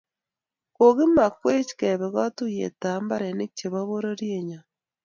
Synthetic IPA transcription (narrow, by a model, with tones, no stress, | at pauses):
ko˨ɣi˦ma˨kwe˦t͡ʃi̥ke˨βe˨ɣa˦tu˦jḛ˨taː˨mba˦ɾe˨ne˦kt͡ʃe˨βa˦βo˦ɾo˦ɾje˨ɲa˨